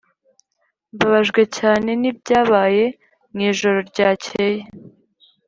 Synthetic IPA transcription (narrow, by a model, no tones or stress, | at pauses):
βaβaʒɡwecaːne̞nib̚ɟaːβaːje̞ | ŋiːʒoɾoɾɟaːcʰeːje